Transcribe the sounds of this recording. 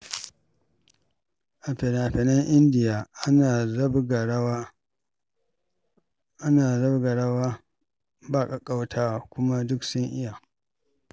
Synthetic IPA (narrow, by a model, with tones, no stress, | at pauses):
ʔa˨pɛ˨n˨a˨ɸɛ˨nɐ˦ŋʔɪ˦ndɪ˨jaː˨ʔnaː˨zɐ˦bɡa˨ɽw | ʔa˦naː˨zɐ˦bɡa˨ɽɐ˦waː˦ | ba˦˨kʼɐ˨kʼa˦wtʰaː˦˨kʷʊ˦ma˦dʊ˦ksʊ˦ŋʔɪ˦jaː˨